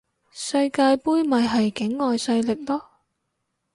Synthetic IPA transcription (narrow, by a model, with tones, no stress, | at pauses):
sɐ˧jkaː˧jpuː˥jmɐ˨jɦɐ˨jkɪ˨˥ŋːɔː˨˧jsɐ˧jlɪ˨k̚lɔː˥